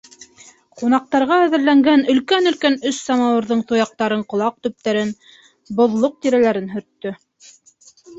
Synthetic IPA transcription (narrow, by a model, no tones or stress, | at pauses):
qunɑq̚t̪ɑɾʁɑæðɘ̆ɾlæŋɡænɵ̆lkænɵ̆lkænɵssɑmɑwɤ̆ɾðɤɴt̪ojɑq̚t̪ɑɾɤɴqŏlˠɑq̚t̪ɵ̆p̚t̪æɾɘn | bŏðlˠoq̚t̪iɾælæɾɘnɦɵ̆ɾt̪ːɵ